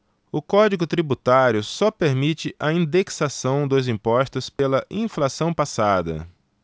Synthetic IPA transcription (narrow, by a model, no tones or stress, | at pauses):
ʊkɔd͡ʒiɡʊt̪ɾibut̪aɾjʊsɔpeɾmit͡ʃɪʔɐĩd̪eksasɐ̃w̃d̪ʊzĩpɔst̪ʊspelɐʔĩflasɐ̃w̃pasad̪ɐ̰